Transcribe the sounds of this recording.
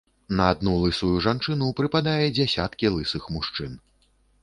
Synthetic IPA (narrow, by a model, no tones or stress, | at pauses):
nɐːd̪nulˠɨsujuʐant͡ʂɨnupɾɨpad̪ajɛd͡zʲasʲat̪kʲilˠɨsɨxmuʂt͡ʂɨn